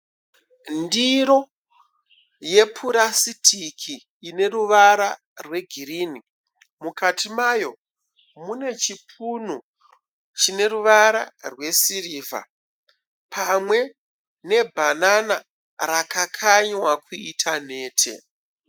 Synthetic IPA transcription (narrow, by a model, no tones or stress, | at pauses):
ndiɾo̞ | je̞pʰuɾasitʰikʰiː | ne̞ruʋaɾa | rwe̞ɡʱiɾiːni | mukatʰimajo̞ | mune̞t͡ʃipʰunu | t͡ʃine̞ɾuʋaɾa̰rwe̞siriːva̰ | pʰamwe̞ | ne̞bʱanana | ɾakakʰaɲwakuitʰane̞ːtʰḛ